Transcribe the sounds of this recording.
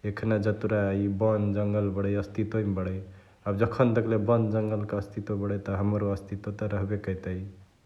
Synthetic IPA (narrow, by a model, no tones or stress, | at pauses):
ekʰnad͡ʒət̪uɾaibənd͡ʒəŋɡəlbəɽəjəst̪ʰit̪oibəɽə | abd͡ʒəkʰənd̪ekʰlebənd̪d͡ʒəŋɡəlkeəst̪ʰit̪obəɽət̪ɔɦəmɾoəst̪it̪ot̪ɔɾəɦbekəjt̪əj